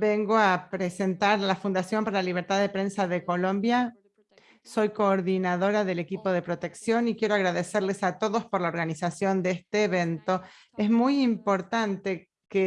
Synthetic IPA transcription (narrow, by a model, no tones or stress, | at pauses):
beŋɡoapɾese̞nt̪aɾlafund̪asjo̞mpaɾalaliβ̞eɾt̪aððepɾe̞nsaðeko̞lõ̞mbja | so̞jko̞ːɾðinaðo̞ɾaðelekipo̞ð̞e̞pɾo̞t̪e̞ksjo̞nikje̞ɾoaɣɾaðeseɾlesat̪oðo̞spoɾlaoɾɣanisasjo̞nd̪eest̪eːβent̪o̞ | esmujimpo̞ɾt̪ant̪e | ke